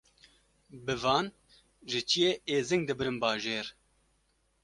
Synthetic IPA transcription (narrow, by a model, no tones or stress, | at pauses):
bɨvɑːn | ʒɨt͡ʃʰijeːeːzɪŋɡ̚d̪ɨbɨɾɨnbɑːʒeːɾ